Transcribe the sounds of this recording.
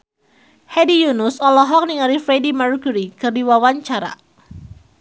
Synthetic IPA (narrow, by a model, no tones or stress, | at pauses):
hɛdijunʊsɔlɔɦɔk̚niŋaɾifɾedimarkuɾikɨrdiwawaɲt͡ʃaɾa̰